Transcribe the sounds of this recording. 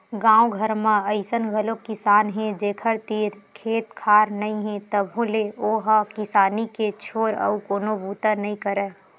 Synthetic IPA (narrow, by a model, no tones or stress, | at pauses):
ɡãːõɡʱəɾmãəɪsənɡʱəlokɪsaːnɦɛ̃d͡ʒeːkʰəɾt̪iːɾkʰeːt̪kʰaːɾnəĩɦẽt̪əbʱoleoːɦakɪsaːniket͡ʃʰoːɾə̰ukoːnobuːt̪ənəĩkəɾɛː